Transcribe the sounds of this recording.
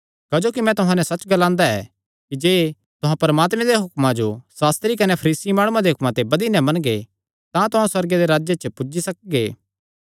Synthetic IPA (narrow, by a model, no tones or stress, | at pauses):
kaːd͡ʒoːkimɛ̃t̪ʊɦãnɛsɐt͡ʃɡɐlãːnd̪aɛ̰ | kid͡ʒeː | t̪ʊɦãpɐɾɐmaːt̪mɛ̃d̪eɦʊkmãd͡ʒosaːst̪ɾikɐnepʰɐɾiːsimaːɽ̃ũãd̪eɦʊkmãt̪ebɐd̪inɛmɐñɡe | t̪ãt̪ʊɦãswɐɾɡed̪eɾaːd͡ʒjet͡ʃəpʊd͡ʒisɐk̚ɡḛː